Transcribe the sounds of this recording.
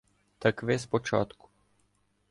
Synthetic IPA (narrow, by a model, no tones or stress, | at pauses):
t̪akʋɛspɔt͡ʃa̰t̪ku̥